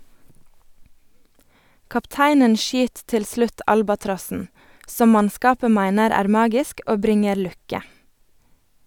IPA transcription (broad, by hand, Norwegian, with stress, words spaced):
kɑpˈtæɪnən ˈʃyːt ˈtɪl ˈslʉt ˈɑlbɑtɾɔsn̩ ˈsɔm ˈmɑnˌskɑːpə ˈmæɪnəɾ ˈæːɾ ˈmɑːɡɪsk ˈoː ˈbɾɪŋəɾ ˈlʉkə